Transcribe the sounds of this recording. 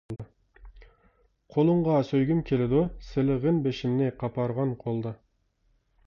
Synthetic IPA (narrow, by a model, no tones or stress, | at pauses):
qʰolˠɨɴʁɑsøjɡʲymkʲʰelɪd̪ʊsɪlɪʁɪnbeʃɪmnɪqʰɑpʰɑɾʁɑnqʰolˠd̪ɑ